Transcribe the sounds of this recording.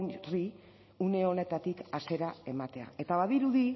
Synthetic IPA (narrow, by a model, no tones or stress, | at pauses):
ri | une̞o̞ne̞t̪at̪ikase̞ɾae̞mat̪e̞a̰e̞t̪aβaðiɾuði